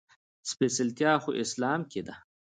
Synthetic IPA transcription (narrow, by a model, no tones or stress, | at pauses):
spesɪlt̪jaːxoʔɪslɑːmked̪ɐ